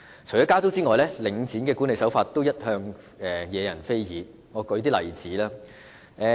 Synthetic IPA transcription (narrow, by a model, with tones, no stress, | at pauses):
t͡sʰɵ˨˩jɔː˨˥kaː˥t͡so˥wt͡siː˥ŋɔː˨jlɛː˥lɪ˨˥ŋt͡siː˨˥nkɛː˧kuː˨˥ne˨˧jsɐ˨˥wfaː˧t̚t̪o˥wjɐ˥t̚hœː˧ŋ | ɛː˨˩jɛː˨˧jɐ˨˩nfe˥jjiː˨˧ | ŋɔː˨˧kɵ˨˧˥t̪̬iː˥lɐ̰˨˩jt͡siː˨˥laː˥ | ʔɛː˧